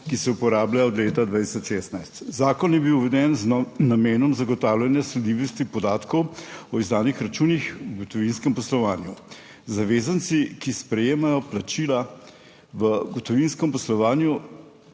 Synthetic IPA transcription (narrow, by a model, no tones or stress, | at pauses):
kisɛupɔɾaːblajaɔd̪leːt̪ad̪ʋaːt̪i̥sɔt͡ʃʃeːst̪najst̪zaːkɔnjɛbiwʋɛd̪ɛnznameːnɔmzaɡɔt̪aːwlʲanjaslɛd̪iʋɔst̪ipɔd̪aːt̪kɔwɔizd̪aːnixɾat͡ʃuːnixwɡɔt̪ɔʋinskɛmpɔslɔʋaːnju | zaʋeːzant̪sikispɾɛjeːmajɔplat͡ʃiːla | ʋəɡɔt̪ɔʋinskɛmpɔslɔʋaːnju